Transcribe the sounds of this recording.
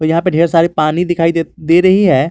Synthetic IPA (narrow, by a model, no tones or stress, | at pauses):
oːɾjɐɦãːpeɖʱeːɾsaːɾepaːnid̪ɪkʰaːid̪ed̪eːɾɐɦiɦɛː